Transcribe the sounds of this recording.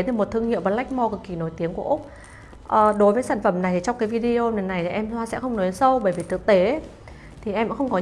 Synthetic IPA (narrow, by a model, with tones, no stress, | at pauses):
e˨˦t̪ʰɨ˧˩mo˨˩t̚t̪ʰɨ˧əŋhḭ˧˨əmvaː˨˩la˦˥k̟̚mɔ˧kɨ˨˧˩kːi˧˩no˨˦jt̪i˨˦əŋku˧˩əʔʊ˦˥k͡p̚ | ʔəː˨˩ɗo˨˦jvəː˨˦jsaː˧˩nfə˧˩mna˨˩jt̪ʰi˨˩t͡ɕɔ˧ŋ͡mkaː˨˦jvi˧ɗi˧o˧ne˨˩na˨˩jt̪ʰi˨˩ʔɛ˧mzwaː˧sɛ̰˧˥xə˧wŋ͡mnɔ˨˦jsə˧wɓəː˧˩jvi˨˩t̪ʰɨ˨˩ək̚t̪e˨˦ | t̪ʰi˨˩ʔɛ˧ma̰˧˥xə˧wŋ͡mkɔ˨˦